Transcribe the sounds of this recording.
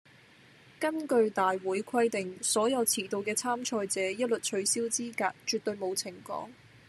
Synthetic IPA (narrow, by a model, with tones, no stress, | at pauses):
kɐ˥nkɵ˧ɥt̪aː˨jwuː˨˥jkʰɐ˥jt̪ɪ˨ŋsɔː˨˥jɐ˨˧wt͡sʰiː˨˩t̪o˨˧wkɛː˧t͡sʰaː˥mt͡ʃʰɔː˧jt͡sɛː˨˥jɐ˥t̚lɵ˨t̚t͡ʃʰɵ˨˧ɥsiː˥wt͡siː˥kaː˧k̚t͡ʃyː˨t̪̚ːɵ˧ɥmo˨˧wt͡sʰɪ˨˩ŋkɔ̰ː˨˥ŋ